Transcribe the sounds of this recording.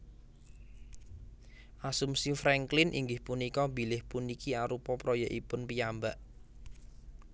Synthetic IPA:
ʔasumsifɾɛŋklɪnʔḭŋɡɪhpunikɔbi̤lɪhpunikiaɾupɔpɾɔjaʔipʊnpijambaʔ

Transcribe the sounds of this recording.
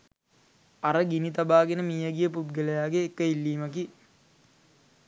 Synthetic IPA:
aɾəɡinit̪abaːɡenəmiːɐɡijəpubɡeləjaːɡeːkːəilːiːməki

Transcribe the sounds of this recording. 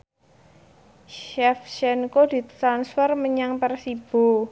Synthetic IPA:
ʃɛfʃɛnkod̥i̤t̪ɾansfərməɲaŋpərsib̥o̤

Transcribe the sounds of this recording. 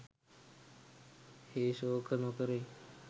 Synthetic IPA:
heːʃoːkənõːkəɾeː

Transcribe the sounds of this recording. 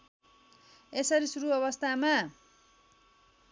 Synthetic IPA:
esʌɾisuɾuʌβʌst̪ʰama

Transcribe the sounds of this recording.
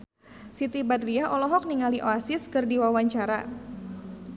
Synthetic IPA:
sit̪ibadɾiaʔɔlɔɦɔk̚niŋaliʔoasɪskɨrdiwawaɲt͡ʃaɾa

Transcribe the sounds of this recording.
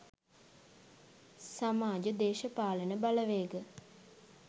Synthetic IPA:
samaːd͡ʒəd̪eːʃəpaːlənəbaləʋeːɡə

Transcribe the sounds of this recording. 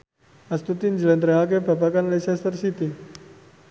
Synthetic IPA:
ast̪ut̪ind͡ʒəlɛnt̪ɾeɦakebapakanlɛsɛst̪ərsit̪i

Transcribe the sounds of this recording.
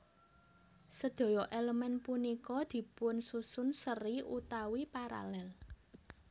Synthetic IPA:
səd̪̥o̤jɔʔeləmɛnpunikɔd̪̥i̤pʊnsusʊnsəriʔut̪awipaɾa̰lɛl

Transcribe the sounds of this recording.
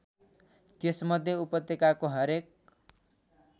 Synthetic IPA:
t̪esmʌd̪ʱːjeupʌt̪ːekakoɦʌɾek̚

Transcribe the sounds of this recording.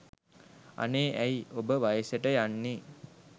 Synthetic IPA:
a̰neːʔæjobəʋajəseʈəjanːi

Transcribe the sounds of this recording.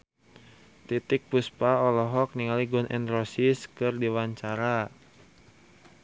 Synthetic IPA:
t̪it̪ɪk̚puspaɔlɔɦɔk̚niŋaliɡɔnʔɛ̰nrɔsiskɨrdiwaɲt͡ʃaɾa

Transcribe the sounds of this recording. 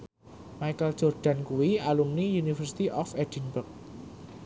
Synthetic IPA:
maikəl̥ʒ̥ɔ̤rɖ̥a̤nkuwialumniunifərsi̥t̪iʔɔfed̪̥inbərk̚

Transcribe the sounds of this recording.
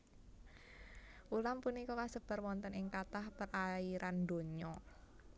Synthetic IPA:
ʔulampunikɔkasəb̥ə̤rwɔnt̪ənɪŋkat̪ahpərʔaiɾando̤ɲɔ

